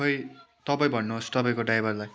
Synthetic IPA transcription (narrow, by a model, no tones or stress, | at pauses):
ʌj | t̪ʌpaj̃bʱʌnːuost̪ʌpaj̃koɖajbʱʌrlaj